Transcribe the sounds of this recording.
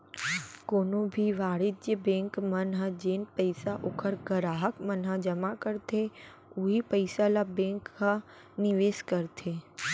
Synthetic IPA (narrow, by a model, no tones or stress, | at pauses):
koːnõbʱiʋaːɽɪt̪d͡ʒjəbẽːŋkmənɦəd͡ʒeːnpəɪsaʔokʰəɾɡəɾaːɦəkmənɦəd͡ʒəmakəɾt̪ʰe | uɦipəɪsalabẽŋkha | nɪʋeːskəɾt̪ʰe